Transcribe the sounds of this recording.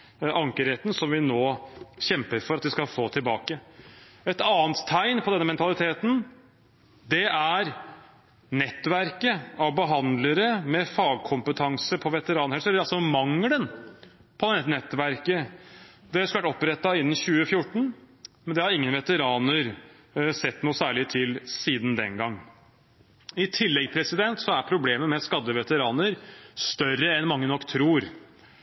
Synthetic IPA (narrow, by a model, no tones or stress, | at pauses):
ʔɑŋkəɾheːt̪n̩sɔmʋɪnoːɕɛmpəɾfɔɾɑt̪ʋɪskɑlfoːt̪ʰɪlbɑːkə | ɛt̪ɑːənt̪t̪ʰːæɪnpʰɔd̪ɛnːəmɛnt̪ɑlɪt̪ʰeːt̪n̩ | d̪ɛæɾ | nɛt̪ːʋæɾkəɑʋbəɦɑnd̪ləɾəmɛfɑːɡ̚kʰʊmpət̪ʰɑŋsəpʰɔʋɛt̪əɾɑːnhɛlsɔɑlsɔmɑŋlən | pʰɔd̪ɛnɛt̪nɛt̪ːʋæɾkə | d̪ɛɑskləʋæʈɔpɾɛt̪ːɑɪnːn̩ɕʉːəfjʊʈːɳ̩ | mɛnd̪ɛhɑɾɪŋːənʋɛt̪əɾɑːnəɾ | sɛt̪ːnuːsæːɭɪt̪ʰɪlsiːd̪nd̪ɛ̰ŋɡɑŋː | ɪt̪ʰɪlːɛɡpʰɾɛsɪd̪ɛnt̪sɔæɾpʰɾʊbleːməmɛskɑd̪ːəʋɛt̪əɾɑːnəɾst̪œɾːəɛnmɑŋːənɔkːt̪ʰɾuːɾ